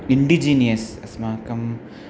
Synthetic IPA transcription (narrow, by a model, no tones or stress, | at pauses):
iɳɖid͡ʒiːnijɐsɐsmaːkɐm